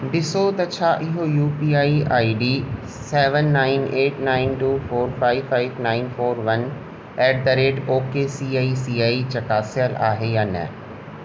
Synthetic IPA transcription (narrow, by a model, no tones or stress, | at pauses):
bɪsot̪ɐt͡ɕʰaːʔɪɦojuːpiaːiaːiɖiː | seːʋə̃nːaːɪneːʈnaːɪnʈuːfoːɾfaːɪfaːɪʋnaːɪnfoːɾʋɐn | ɛːʈ̚d̪ɐɾeːɖoːkesiːaːisiːaːit͡ɕɐkaːsijəla̰ːɦejaːnɛ̰